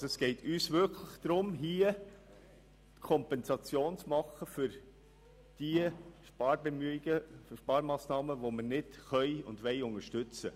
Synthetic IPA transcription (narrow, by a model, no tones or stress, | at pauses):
soɛsɡ̥ɛɪtʰyːsʋʏɾkʰləχd̥ɾʊmɦiːə | kʰɔmpɛnzɑt͡sjoːnt͡smɑχəfʏɾ | d̥iəʃpɑːɾbemyiɡ̥əfʃpɑːɾmɑːsnɑːməʋomənɪtχœɪʊndʋɛɪʊŋəʃtʏt͡sə